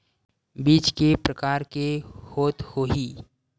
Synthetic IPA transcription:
biːt͡ʃkepɾəkaːɾkehoːt̪hoːɦiː

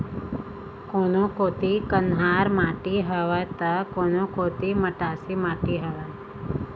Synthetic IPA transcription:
konokot̪ikənɦaɾmaʈiɦəʋat̪akonokot̪iməʈasimaʈiɦəʋa

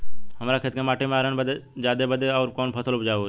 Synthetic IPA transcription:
ɦəmɾakʰet̪kemaːʈemẽaːɾənbəd̪ed͡ʒaːd̪ebəd̪ʱeɔːɾkɔːnpʰəsəlʊd͡ʒaːo

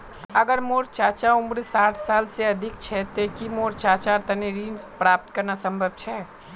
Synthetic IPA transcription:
əɡəɾmoːɾt͡ʃaːt͡ʃaʊmɾsaːʈʰsaːlseɐd̪ʱɪkt͡ʃʰɛt̪ekimoːɾt͡ʃaːt͡ʃaɾt̪ɐneɾiːmspɾaːp̚t̪kəɾnasə̃mbʱəb̚t͡ʃʰɛː

